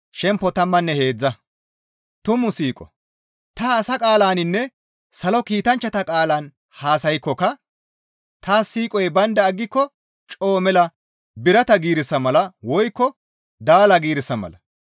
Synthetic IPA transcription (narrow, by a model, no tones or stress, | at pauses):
ʃɛmpːɔt̪ɐmːɐnːɛhe̞ːd͡zːɐ | t̪ʊmʊsiːkʼɔ̰ | t̪ɐːsɐkʼaːlaːnɪnːɛ | sɐlɔkiːt̪ɐnt͡ʃːɐt̪ɐkʼaːlaːn | haːsɐjkːɔkɐ | t̪aːsiːkʼɔjbɐnd̪ɐːɡːɪkːɔ | t͡ʃʼoːmɛlɐ | bɪɾɐt̪ɐɡiːɾɪsːɐmɐlɐwɔjkːɔ | d̪aːlɐɡiːɾɪsːɐmɐ̰lɐ